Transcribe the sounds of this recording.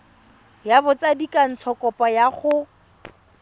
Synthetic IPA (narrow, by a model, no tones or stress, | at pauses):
jabʊt͡sadikʼan̩t͡sʰɔkʼɔpʼajaχʊ